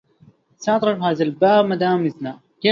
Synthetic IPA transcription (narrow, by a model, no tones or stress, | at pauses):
saɑt̪ˤɾˤɨfhaːðalbaːbmːad̪aːmɪzna | keː